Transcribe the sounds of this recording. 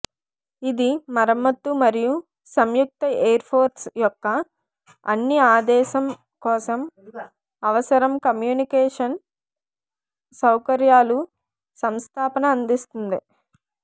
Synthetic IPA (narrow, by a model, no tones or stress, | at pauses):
id̪imɐɾɐmɐt̪ːumɐɾiju | sɐmjuk̚t̪ɐeːɐɾpʰoːɾsjɔkːɐ | ɐnːiaːd̪ɛːʃɐm | kɔːsɐm | ɐʋɐsɐɾɐmkɐmjuːnikɛːʂɐn | sɐwkɐɾjaːlu | sɐmst̪ʰaːpɐnɐːnd̪ist̪und̪i